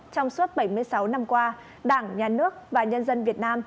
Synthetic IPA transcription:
t͡ɕɔ˧wŋ͡msu˦˥t̚ɓə˧˩jmɨ˧əjsa˨˦wna˧mkwaː˧ | ɗaː˧˩ŋɲaː˨˩nɨ˦˥ək̚vaː˨˩ɲə˧nzə˧nvi˨˩ət̚naː˧m

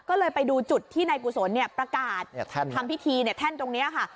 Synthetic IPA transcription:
kɔː˥˩lɤː˧jpa˧jduː˧t͡ɕu˨˩t̪ʰːiː˥˩naː˧jku˨˩so˩˦nːi˥˩ɐpɾa˧kaː˨˩t̪̚ʰa˧mpʰi˦˥t̪ʰiː˧ni˥˩ɐt̪ʰɛ˥˩nt̪o˧ŋni˦˥ɐkʰa˥˩

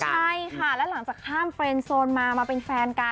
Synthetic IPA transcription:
t͡ɕʰa˥˩jkʰa˥˩lɛ˦˥la˩˦ŋt͡ɕaː˨˩k̚t̪ʰaː˥˩mfɾe˧nsoː˧nmaː˧maː˧pe˧nfɛː˧nka˧

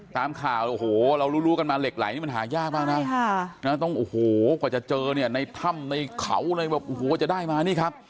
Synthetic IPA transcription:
t̪aː˧mkʰaː˨˩wʔo˨˩hoː˨˩ɾa˧wɾuː˦˥ɾu˦˥ka˧nmaː˧le˨˩k̚la̰ː˨˩˦jniː˥˩˧nɦaː˩˦jaː˥˩k̚baː˥˩ŋna˦˥na˦˥˩t̪ɔ˥˩ŋʔoː˨˧˩hoː˨˩kɔː˨˩t͡ɕa˨˩t͡ɕɤː˧ni˥˩ɐna˧jt̪ʰa˧˥˩mna˧jkʰa̰˨˩˦wna˧jbɛː˨˩p̚ʔoː˧˩hoː˨˩˦t͡ɕa˨˩daː˥˩jmaː˧niː˥˩kʰa˦˥p̚

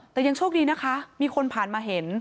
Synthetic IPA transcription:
t̪ɛː˨˩ja˧ŋt͡ɕʰuː˥˩kdiː˧na˦˥kʰa˦˥miː˧kʰo˧npʰaː˨˩nmaː˧ɦe˩˦n

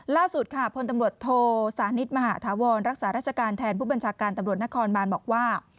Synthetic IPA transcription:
laː˥˩su˨˩t̪̚kʰa˧a˨˩pʰo˧nt̪a˧mɾu˨˩ət̪ʰːoː˧saː˩˦ni˦˥t̪̚maː˧haː˩˦˥t̪ʰaː˩˦wɔː˧nɾa˦˥k̚saː˩˦ɾaː˥˩t̚t͡ɕʰa˧kaː˧nt̪ʰɛː˧npʰuː˥˩ba˧nt͡ɕʰaː˧kaː˧nt̪a˧mɾu˨˩ət̪̚na˦˥kʰɔː˧nbaː˧nbɔː˨˩k̚waː˥˩

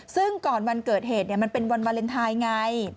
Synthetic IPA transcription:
sɯ˥˩ŋkɔː˨˩nwa˧nkɤː˨˩t̪̚heː˨˩t̪̚ni˥˩ɐma˧npe˧nwa˧nwa˧nle˧nt̪ʰaː˧jŋa˧j

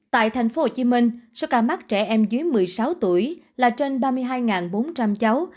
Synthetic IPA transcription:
t̪a̰ː˧˨jt̪ʰa˨˩jŋ̟fo˧˦ho˨˩t͡ɕi˨˦mï˧ŋ̟sɔ˧wkaː˧˩ma˦˥t̚t͡ɕɛ˧˩ʔɛ˧mzɨ˨˦jmɨ˨˩əjsa˨˦wt̪u˧˩əjlaː˨˩t͡ɕe˧nɓaː˧mɨ˧əjɦaː˧jŋaː˨˩nɓo˨˦nt͡ɕa˧mt͡ɕa˨˦w

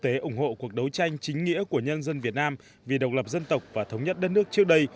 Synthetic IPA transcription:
t̪e˨˦ʔʊ˧˩ŋ͡mho̰˧˨ku˨˩ək̚ɗə˨˦wt͡ɕa˧jŋ̟t͡ɕï˨˦ŋ̟ŋḭ˧˥əku˧˩əɲə˧nzə˧nvi˨˩ət̚naː˧m | vi˨˩ɗə˨˩wk͡p̚lə˨˩p̚zə˧nt̪ə˨˩wk͡p̚vaː˨˩t̪ʰə˨˦wŋ͡mɲə˦˥t̚ɗə˦˥t̚nɨ˦˥ək̚t͡ɕɨ˦˥ək̚ɗə˧j

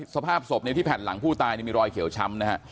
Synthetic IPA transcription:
sa˧pʰaː˥˩p̚so˨˩p̚ni˥˩t̪ʰiː˥˩pʰɛː˨˩t̪̚la̰˩˦ŋpʰuː˥˩t̪aː˧jniː˥˩miː˧ɾɔː˧jkʰi˩˦wt͡ɕʰa˦˥mna˦˥kʰa˦˥ʔ

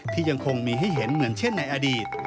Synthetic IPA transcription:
t̪ʰiː˥˩ja˧ŋkʰo˧ŋmiː˧ɦa˥˩jɦe˩˦nmɯ˩˦ənt͡ɕʰe˥˩nːa˧jʔa˧diː˨˩t̪̚

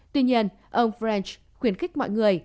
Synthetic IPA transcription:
t̪wḭ˧ɲi˧ən | ʔə˧wŋ͡mfɾɛ˧nt͡ɕ | xwi˧˩ənxk̟̚mɔ̰˧˨jŋɨ˨˩əj

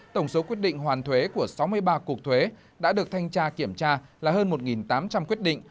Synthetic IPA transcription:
t̪ə˧˩wŋ͡mso˨˦kwi˦˥t̚ɗḭ˧˨ŋ̟ɦwaː˨˩nt̪ʰwe˨˦ku˧˩əsa˨˦wmɨ˧əjɓaː˧ku˨˩ək̚t̪ʰwe˨˦ | ɗa̰ː˧˥ɗɨ˨˩ək̚t̪ʰa˧jŋ̟t͡ɕaː˧ki˧˩əmt͡ɕaː˧laː˨˩ɦəː˧nmo˨˩t̚ŋi˨˩nt̪aː˨˦mt͡ɕa˧mkwi˦˥ət̚ɗḭ˧˨ŋ̟

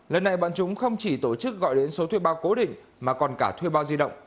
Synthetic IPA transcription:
lə˨˩nːa˨˩jɓa̰ː˧˨nt͡ɕʊ˨˦ŋ͡mxə˧wŋ͡mt͡ɕi˧˩t̪o˧˩t͡ɕɨ˦˥k̚ɣɔ̰˧˨jɗe˨˦nso˨˦t̪ʰwi˧ɓaː˧wko˨˦ɗḭ̈˧˨ŋ̟ | maː˨˩kɔ˨˩nkaː˧˩t̪ʰwi˧ɓaː˧wzi˧ɗə̰˧˨wŋ͡m

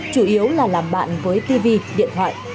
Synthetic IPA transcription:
t͡ɕu˧˩ʔi˨˦əwlaː˨˩laː˨˩mɓa̰ː˧˨nvəː˨˦jt̪i˧vi˧ɗḭ˧˨ənt̪ʰwa̰ː˧˨jʔ

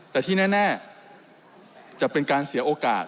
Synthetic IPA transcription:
t̪ɛː˨˩t̪ʰiː˥˩nɛː˥˩nɛː˥˩ | t͡ɕa˨˩ʔpe˧nkaː˧nsi˨˩˦ɐʔoː˧ka̰ː˨˩t̪̚

